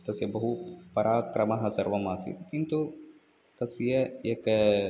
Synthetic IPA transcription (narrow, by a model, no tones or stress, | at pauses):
t̪ɐsjɐbɐɦupɐɾaːkɾɐmaɦɐsɐɾʋɐmaːsḭt̪kint̪u | t̪ɐsjeeːk